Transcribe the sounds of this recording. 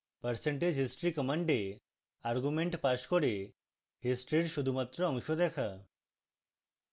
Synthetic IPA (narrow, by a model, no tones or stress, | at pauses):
pəɾseɳʈed͡ʑʱɦisʈɾikɔmaɳɖe | aɾɡumeɳʈpaʃkoɾe | ɦisʈɾiɾʃud̪ʱumat̪ːɾoɔŋʃod̪ɛkʰa